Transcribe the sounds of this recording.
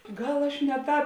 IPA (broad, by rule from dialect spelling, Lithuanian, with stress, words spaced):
ˈɡɐlˠ ɐʃ nʲɛ ˈtɑːp